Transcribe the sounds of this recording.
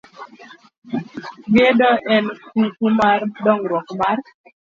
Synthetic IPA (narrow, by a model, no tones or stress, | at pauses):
ɡedɔʔɛnkukumaɾdɔŋɾwɔkmar